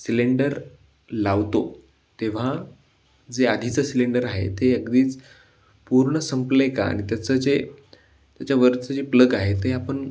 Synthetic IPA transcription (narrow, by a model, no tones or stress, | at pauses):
sileɳɖəɾ | laʋt̪o | t̪eʋ̤a | d͡zead̪ʱit͡səsileɳɖəɾaɦḛt̪eəkd̪iːt͡s | puɾɳəsəmpleka̰a̰ɽ̃it̪jat͡səd͡ze | t̪jat͡ɕjaʋəɾt͡səd͡zepləɡaɦet̪eapəɳ